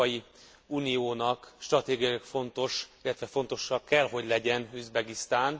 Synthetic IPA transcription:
ɒji | uːnijoːnɒkʃt̪rɒt̪eːɡijɒjkfo̞nt̪o̞ʃilːɛt̪ʋɛfo̞nt̪o̞ʃːɒkːɛlɦo̞ɟlɛɟɛnyzbɛɡist̪aːn

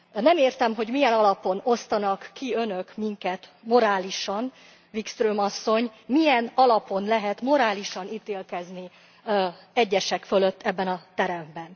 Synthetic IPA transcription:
nɛmeːrt̪ɛmɦo̞ɟmijɛnɒlɒpo̞no̞st̪ɒnɒkːiø̞nø̞kmiŋkɛt̪mo̞ɾaːliʃɒn | vikst̪røːmɒsːo̞ɲmijɛnɒlɒpo̞nlɛɦɛt̪mo̞ɾaːliʃɒnit̪eːlkɛzni | ɛɟːɛʃɛkfø̞løt̪ʰːɛbːɛnɒt̪ɛɾɛmbɛn

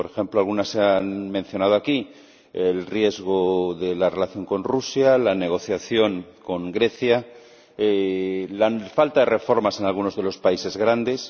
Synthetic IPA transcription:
poɾe̞xẽ̞mploalɣunasːeanmẽ̞n̟θjo̞nað̞oaki | elrje̞zɣ̞oðe̞lare̞laθjo̞ŋko̞nrusjalane̞ɣ̞o̞θjaθjo̞ŋko̞ŋɡɾe̞θja | elafalt̪aðe̞re̞fo̞ɾmase̞nalɣ̞uno̞zðe̞lo̞spaise̞zɣɾand̪e̞s

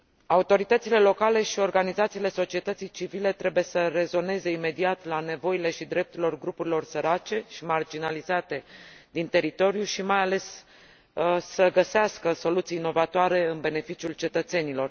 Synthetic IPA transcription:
aut̪o̞ɾit̪ət̪sile̞lo̞kale̞ʃio̞rɡanizat̪siːle̞so̞t͡ʃie̞t̪ət̪sijt͡ʃivile̞t̪ɾe̞buje̞səre̞zo̞ne̞ze̞ime̞d̪iat̪lane̞vo̞ile̞ʃid̪ɾe̞p̚t̪uɾilo̞rɡɾupuɾilo̞rsəɾat͡ʃe̞ʃimard͡ʒinalizat̪e̞d̪int̪e̞ɾit̪o̞ɾjuʃimajale̞s | səɡəseaskəso̞lut̪sijːno̞vat̪oaɾe̞ɨnbe̞ne̞fit͡ʃiult͡ʃe̞t̪ət̪se̞nilo̞r

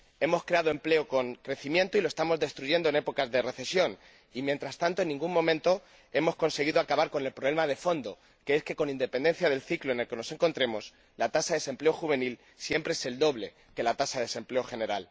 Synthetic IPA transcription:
e̞mo̞skɾe̞aðoe̞mple̞oko̞ŋkɾe̞θimjẽ̞nt̪oiloest̪amo̞zðe̞st̪ɾuʝe̞nd̪oene̞po̞kazðe̞re̞θe̞sjo̞n | imjent̪ɾast̪ant̪oe̞nːĩŋɡummõ̞mẽnt̪o̞ | e̞mo̞sko̞nse̞ɣ̞iðoakaβaɾko̞ne̞lpɾoβle̞mað̞e̞fo̞nd̪o | keeske̞ko̞nind̪e̞pend̪e̞n̟θjaðe̞lθikloene̞lke̞no̞se̞ŋko̞nt̪ɾe̞mo̞s | lat̪asaðese̞mple̞oxuβe̞nil | sje̞mpɾeese̞ld̪o̞βle̞ | ke̞lat̪asaðese̞mple̞oxe̞ne̞ɾal

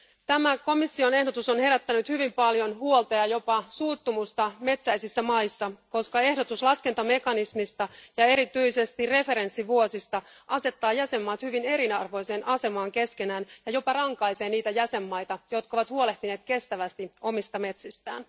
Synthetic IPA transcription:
t̪æmæko̞misːio̞ne̞hdo̞t̪usonhe̞ɾæt̪ːænyt̪hyʋimpɑljo̞nɦuolt̪eɑjo̞pɑsuːt̪ːumust̪ɑme̞t̪sæjsisːæmɑjsːɑko̞skɑe̞hdo̞t̪uslɑske̞nt̪ɑme̞kɑnismist̪ɑjɑe̞ɾit̪yjse̞st̪irre̞fe̞ɾe̞nsːiʋuo̞sist̪ɑʔɑse̞t̪ːɑːjæse̞mːɑːt̪hyʋine̞ɾinɑrʋo̞jseːnʔɑse̞mɑːŋke̞ske̞næːnjɑjo̞pɑrɑŋkɑjse̞ːniːt̪æjæse̞mːɑjt̪ɑjo̞t̪kɑoʋɑt̪huo̞le̞ht̪ine̞ːt̪ke̞st̪æʋæst̪io̞mist̪ɑme̞t̪sist̪æ̰ːn

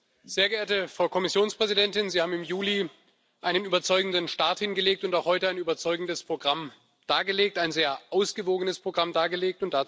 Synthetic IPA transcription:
z̥eːɐɡəeːɐtəfʁ̥aʊkʰɔmɪsjoːnspʁ̥ɛzidɛntɪnziːhaːbm̩ɪmjuːli | ʔaɪnənʔyːbɐt͡sɔʏɡŋ̩dənʃtaɐthɪnɡəleːk̚tʊntaʊxhɔʏtəaɪnyːbɐt͡sɔʏɡŋ̩dəspʁ̥oɡʁam | d̥aːɐɡəleːk̚taɪnzeːɐʔaʊsɡ̥əvoːɡənəspʁ̥oɡʁamdaːɐɡəleːk̚tʊntd̥a

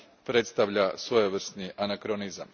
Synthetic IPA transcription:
pɾe̞t̪st̪aʋʎasʋojoʋr̩snianakɾonizam

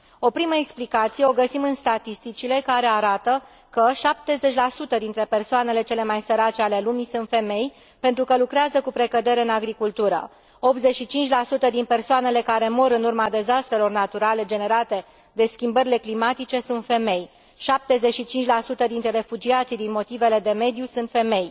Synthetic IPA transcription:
o̞pɾiməeksplikat̪sije̞o̞ɡəsimɨnst̪at̪ist̪it͡ʃile̞kaɾe̞aɾat̪ə | kəʃap̚t̪e̞ze̞t͡ʃʲlasut̪əd̪int̪ɾe̞pe̞rsoane̞le̞t͡ʃe̞le̞majsəɾat͡ʃe̞ale̞lumisunt̪fe̞me̞j | pe̞nt̪ɾukəlukɾeazəkupɾe̞kəd̪e̞ɾe̞ɨnaɡɾikult̪uɾə̰ | o̞p̚t̪ze̞ʃit͡ʃint͡ʃʲlasut̪əd̪inpe̞rsoane̞le̞kaɾe̞mo̞ɾɨnurmad̪e̞zast̪ɾe̞lo̞rnat̪uɾale̞d͡ʒe̞ne̞ɾat̪e̞ | d̪e̞skʲimbəɾile̞klimat̪it͡ʃe̞sunt̪fe̞me̞j | ʃap̚t̪e̞ze̞t͡ʃʃit͡ʃint͡ʃʲlasut̪əd̪int̪ɾeɾe̞fud͡ʒiat̪sid̪inmo̞t̪ive̞le̞d̪e̞me̞d̪jusunt̪fe̞me̞j

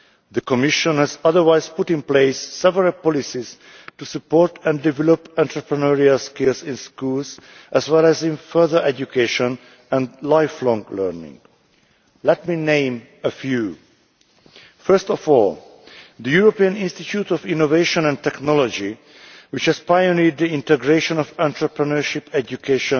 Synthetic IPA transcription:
ðəkɔmɪʃə̃nhæzʌðə˞waɪz̥pʊtɪ̃npleɪsːɛvəɹəlpɔlisiz̥ | tusɨpɔɹtʰɛ̃ndɪvɛlɔpæ̃ntʰɹəpɹənəɹialskɪlˠzɪ̃nskulzʔæzwɛlæzɪ̃nfɜ˞ðə˞ʔɛd͡ʒukʰeʃə̃n | æ̃ndlaɪflɔ̃ŋɡlɜ˞nɪ̰̃ŋ | lɛt̚minẽɪ̃m | əfjuː | fɜ˞stɔfɔl | d̪əjuɹopiə̃nɪ̃nstitʰuːtɔfĩnoveɪʃɔ̃nɛ̃ntɛknɔlɔd͡ʒi | wɪt͡ʃhɛz̥pajonid̪̚diĩntɛɡɹeʃɔ̃nɔvæ̃nt̪ɹəpɹənəɹʃipɛd͡ʒjukʰeʃɔ̃n

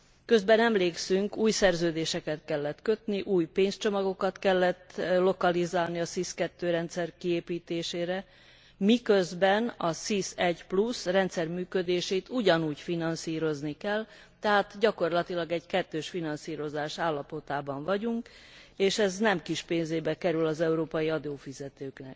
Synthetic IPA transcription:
kø̞zbɛnɛmleːksyŋkuːjsɛrzøːd̪eːʃɛkɛt̪kɛlːɛt̪kø̞t̪niʔuːjpeːnst͡ʃo̞mɒɡo̞kɒt̪kɛlːɛt̪lo̞kɒlizaːlniɒsiːskɛt̪ːøːɾɛnt̪sɛrkieːpiːt̪eːʃeːɾɛ | mikø̞zbɛnɒsisɛɟplusrɛnt̪sɛrmyːkød̪eːʃeːt̪uɟɒnuːɟfinɒnsiːɾo̞znikɛl | t̪ɛɦaːt̪ɟɒko̞rlɒt̪ilɒɡɛɟkɛt̪ːøːʃfinɒnsiːɾo̞zaːʃaːlːɒpo̞t̪aːbɒɱvɒɟuŋkeːʃɛznɛmkiʃpeːnzeːbɛkɛɾylɒzɛuɾoːpɒjiɒd̪oːfizɛt̪øːknɛk̚

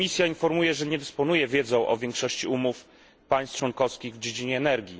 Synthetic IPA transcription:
isʲjainfɔɾmujɛʐɛɲɛd̪ɛspɔn̪ujɛvʲjɛd̪zɔ̃w̃ʔɔ̰vʲjɛ̃ŋkʂɔɕt͡ɕiumuf | paj̃st͡ʂwɔŋkɔskʲiɣvd͡ʑed͡ʑiɲɛːnɛɾɡʲi

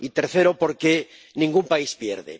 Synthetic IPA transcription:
it̪eɾθeɾopoɾke | nĩŋɡumpaispjḛɾðḛ

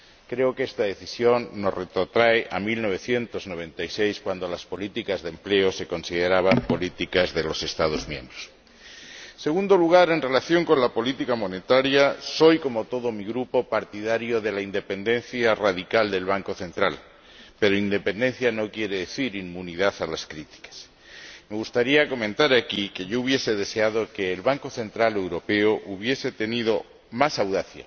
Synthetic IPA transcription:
kɾe̞okest̪aðe̞θisjo̞nːosret̪ɾot̪ɾaeʔamilno̞β̞e̞θje̞nt̪o̞zno̞β̞ẽ̞nt̪ajsejskwand̪o̞laspo̞lit̪ikazðe̞mple̞ose̞ko̞nsiðeɾaβ̞ampo̞lit̪ikazðelo̞se̞st̪að̞o̞zmjẽ̞mbɾos | se̞ɣund̪oluɣ̞aɾe̞nre̞laθjo̞ŋko̞nlapo̞lit̪ikamo̞ne̞t̪aɾjaso̞jko̞mo̞t̪o̞ð̞o̞miɣɾupo̞paɾt̪iðaɾjoðe̞laind̪e̞pe̞nd̪ẽ̞nθjaraðikald̪e̞lβ̞aŋko̞θẽ̞nt̪ɾal | pe̞ɾoind̪e̞pe̞nd̪e̞nθjano̞kje̞ɾe̞ðe̞θiɾimːuniðaθalaskɾit̪i̥kḁs | me̞ɣust̪aɾiako̞mẽ̞nt̪aɾakike̞ʝo̞uβ̞je̞se̞ðe̞se̞að̞o̞ke̞ːlβaŋko̞θe̞nt̪ɾale̞wɾo̞pe̞oʔuβ̞je̞se̞t̪e̞nið̞o̞ | masawðaθja̰

